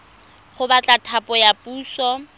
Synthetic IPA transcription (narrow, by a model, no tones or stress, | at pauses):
χʊbat͡ɬʼatʰapʼɔjapuːsɔ